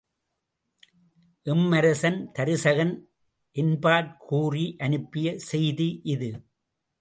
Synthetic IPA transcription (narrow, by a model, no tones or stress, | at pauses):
ʔɪmːɐɾɐsɐnt̪ɐɾɯsɐɣɐn | ʔɪnbaːʈ̚kʰuːriʔɐnɯpːɪjɐsɛjðiʔɪðɯ